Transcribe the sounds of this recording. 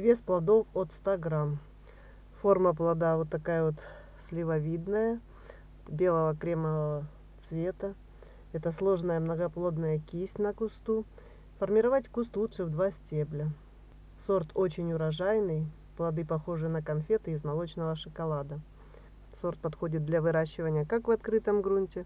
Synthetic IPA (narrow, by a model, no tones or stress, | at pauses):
vʲesplˠɐd̪o̞fot̪st̪aɡɾam | fo̞rməplˠɐd̪avo̞t̪ːɐkajəvo̞t̪ | sʲlʲɪvɐvʲid̪nəjə | bʲe̞lˠəvəkɾʲeməvəə | t̪svʲe̞t̪ə | ɛt̪əslˠo̞ʐnəjəmnəɡɐplˠo̞d̪nəjəkʲisʲnəkʊst̪u | fərmʲɪɾɐvatʲkust̪lˠutʂɨvd̪vasʲtʲeblʲə | so̞rt̪o̞t͡ɕɪnʲʊɾɐʐajnɨj | plˠɐd̪ɨpɐxo̞ʐɨjənəkɐnfʲet̪ɨɪzmɐlˠo̞t͡ɕnəvəʂɨkɐlˠad̪ə | so̞rt̪̚pɐt̪xo̞dʲɪt̪̚d̪lʲɐvɨɾaɕːɪvənʲɪjəkakvɐt̪kɾɨt̪əmɡɾunʲtʲɪ